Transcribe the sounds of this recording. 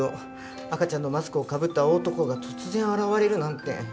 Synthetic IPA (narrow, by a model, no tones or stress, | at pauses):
o | akat͡ɕãnːo̞masɨ̥kɯ̟okabɯ̟t̪ːao̞ːt̪o̞ko̞ɡat̪ʰo̞t͡sɨzẽ̞ɰ̃aɾaβaɾe̞ɾɯ̟nãnt̪ːe̞̰